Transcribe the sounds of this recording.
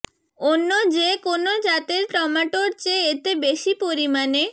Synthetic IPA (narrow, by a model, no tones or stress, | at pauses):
onːod͡ʑekonod͡ʑat̪eɾʈɔmaʈoɾt͡ɕeet̪ebeʃipoɾimane